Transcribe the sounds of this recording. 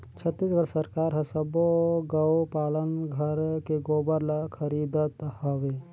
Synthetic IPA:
t͡ʃʰət̪ːisɡʱəɾsəɾkaːɾɦəsəboɡəwpaːlənɡʱəɾkeɡoːbəɾlakʰəɾid̪ət̪həʋe

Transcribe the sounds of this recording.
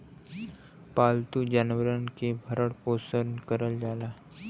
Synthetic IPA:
palt̪ud͡ʑanʋəɾənkebʱəɾəɽposənkəɾəld͡zala

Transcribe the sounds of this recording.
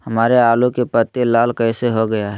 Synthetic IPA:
hɐmaːɾeaːlukepət̪ːelaːlkɛːseɦoɡɐjaɦɛ

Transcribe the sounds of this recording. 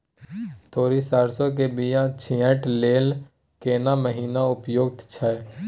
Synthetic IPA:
t̪oːɾisaːɾsok̬ebijãt͡ʃʰiə̃ʈleːl | keːnaməɦiːnaʊpjoːɡ̚t̪t͡ʃʰɛ

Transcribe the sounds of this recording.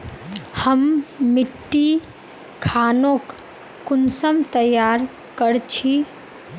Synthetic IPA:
həmːɪʈːi | kʰaːnokː | ʊnsəmt̪əjaɾ | kəɾt͡ʃʰi

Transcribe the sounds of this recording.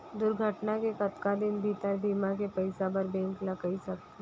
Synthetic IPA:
d̪ʊɾɡʱəʈnakekɐt̪kad̪ɪnbʱiːt̪əɾbiːmak̬epɐɪsabəɾbɛ̃ːŋklɐkaisɐkt̪e

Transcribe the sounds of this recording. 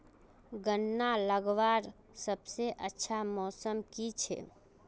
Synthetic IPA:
ɡənːaləɡʋaɾ | səbseʔətːʃʰamɔːsəmkit͡ʃʰɛ̰

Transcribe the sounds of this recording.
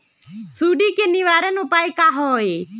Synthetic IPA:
suːɖiːkenɪʋaːɾənupaːikaːɦoːe

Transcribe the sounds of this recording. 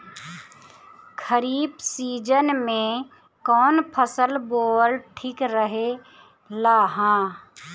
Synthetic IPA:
kʰəɾiːbsiːd͡ʒənmẽ | kɔːnpʰəsəlboːlʈʰikɾəɦe | laːɦãː

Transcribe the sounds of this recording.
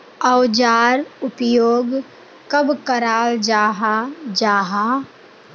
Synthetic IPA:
əwd͡ʒaːɾʊpjoːɡ | kɐbkəɾaːld͡ʒaːɦad͡ʒaːɦaː

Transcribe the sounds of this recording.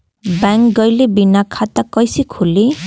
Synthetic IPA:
baŋkɡʌjlebinakʰat̪akʌjsikʰuli

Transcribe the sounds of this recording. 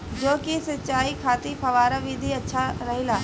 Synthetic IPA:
d͡ʒoːkisɐtːt͡ʃaːikʰaːt̪ipʰɐʋaːɾəʋid̪ʱiɐtːʃʰaɾɐɦilaː

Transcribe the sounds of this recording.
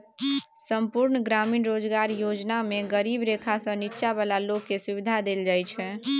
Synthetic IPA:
səmpuɾnɡɾaminɾod͡ʒɡaɾjod͡ʒnameɡəɾibɾekʰasə̃nit͡ʃabalalokːesuβid̪ʱad̪eld͡ʒajt͡ʃʰɛ

